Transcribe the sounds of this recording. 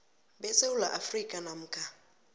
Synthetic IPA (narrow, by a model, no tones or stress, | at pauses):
bɛseulaʔafrikʼanam̩ːkʼa